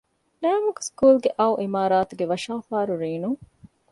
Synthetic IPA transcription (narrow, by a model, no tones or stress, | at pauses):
næːmukskuːlɡeʔɐuʔimaːɾaːt̪uɡeʋɐʃaːfaːɾuɾiːnuŋ